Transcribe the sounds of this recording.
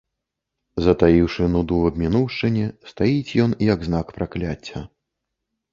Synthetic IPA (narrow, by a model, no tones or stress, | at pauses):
zɐt̪ajiwʂɨnud̪uvɐbʲmʲinuwʂt͡ʂɨnʲɛst̪ajit͡sʲjɔnjɐɡznakpɾaklʲat͡sʲːɐ